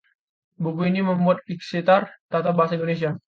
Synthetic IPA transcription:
bukuiniməmbuat̪̚iksit̪art̪at̪abaɦasaindones̬ia

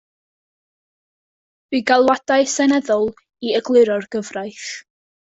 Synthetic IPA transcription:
viɡalˠwad̥aɨsɛnɛðɔlˠ | iəɡlˠɨɾɔrɡ̥əvrajθ

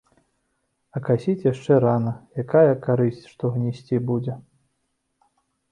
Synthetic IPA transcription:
ɐkasʲit͡sʲjaʂt͡ʂɛɾanɐjakajɐkaɾɨsʲt͡sʲʂt̪ɔɣnʲisʲt͡sʲibud͡zʲɛ

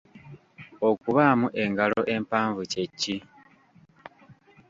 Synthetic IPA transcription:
o̞kuβaːmuʔe̞ŋɡalo̞ʔe̞mpaːɱvucecːi

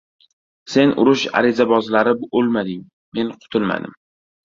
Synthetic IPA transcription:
se̞nʔʊ̰ɾʊʃa̰ɾɪzabɒzlaɾɪbolmad̪ɪŋ | me̞nqʰʊ̥t̪ʰʊlma̰d̪ɪ̰m

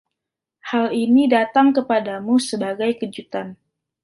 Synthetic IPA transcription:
halinidat̪aŋkəpadamusəbaɡajkəd͡ʒut̪an

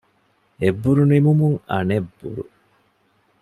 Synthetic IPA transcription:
ebːuɾunimumuŋɐ̰nebːṵɾṵ

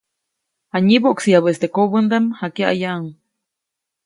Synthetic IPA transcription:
haɲiboʔksijaβest̪ekoβənd̪amhakaʔa̰jaʔŋ

